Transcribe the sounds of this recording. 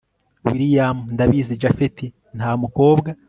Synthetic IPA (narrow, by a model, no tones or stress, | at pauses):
wiɾijamundaβizid͡ʒafeti | ntaːmuko̞ːbɡa